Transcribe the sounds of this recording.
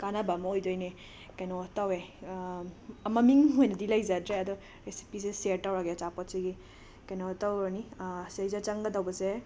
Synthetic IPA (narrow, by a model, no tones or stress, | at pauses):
kanabamɔojdojne | kajnɔtawe | ɐmɐmiŋɦojnɐdilajzadɾeɐd̪ɔ | ɾesi̥piseseɾtːawɾaɡet͡ʃapɔtsiɡi | kajnɔtawnisejzat͡ʃaŋɡɐdawbɐse